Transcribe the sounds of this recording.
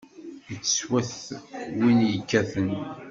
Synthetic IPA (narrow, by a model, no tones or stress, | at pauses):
ət͡sːə̥swæθwinjəkːæθən